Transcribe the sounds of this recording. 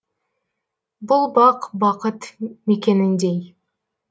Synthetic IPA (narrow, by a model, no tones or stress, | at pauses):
bulˠbɑqbɑqət̪mekʲenɪnd̪ej